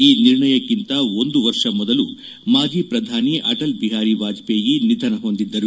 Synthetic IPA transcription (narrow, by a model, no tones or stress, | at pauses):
iːniɾɳɐjɐkːint̪ɐo̞nd̪uʋɐɾʂɐmɔd̪ɐlṵ | maːd͡ʒiːpɾɐd̪ʱaːniʔɐʈɐlbiɦaːɾiʋaːd͡ʒpeːjinid̪ʱɐnɐɦo̞nd̪id̪ːɐɾu